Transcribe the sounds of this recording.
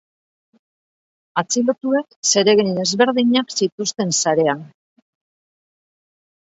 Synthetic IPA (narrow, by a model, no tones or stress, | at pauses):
at͡silot̪ue̞kse̞ɾe̞ɣejne̞zβe̞ɾðiɲaksit̪ust̪e̞nsaɾe̞an